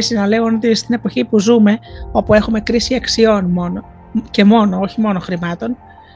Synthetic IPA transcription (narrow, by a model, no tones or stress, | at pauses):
esiznɐle̞onot̪ist̪ine̞po̞çipuzume̞o̞pue̞xume̞kɾisiɐksio̞nmono | ce̞mo̞no̞o̞çimo̞no̞xɾimɐt̪o̞n